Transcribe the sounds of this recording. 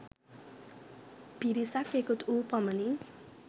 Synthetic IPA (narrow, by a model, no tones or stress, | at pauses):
b̥ʱiɾisakekut̪upʌmʌni